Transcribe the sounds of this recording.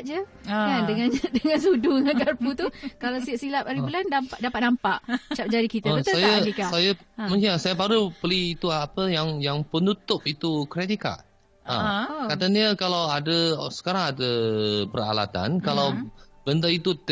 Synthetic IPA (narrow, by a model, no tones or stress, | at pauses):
d͡ʒəkandəŋãndəŋãnsuduŋakarput̪ukalawsiaʔsilapaɾibulandampaʔdapat̪̚nampaʔt͡ʃap̚d͡ʒaɾikit̪abəsaajaadikasajamə̃ŋkisajəpaɾupəliːt̪uapəjaŋjaŋpənut̪ʊp̚it̪ukɾet̪ika̰ʔ | a̰kat̪aniəkalawadəsə̥kaɾaŋadəpəɾa̰la̰t̪a̰nkalawb̥ənt̪ait̪u